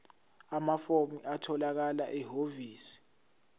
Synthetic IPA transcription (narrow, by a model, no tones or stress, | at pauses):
amafomiatʰɔlak̬alaʔɛɦoviːsi̥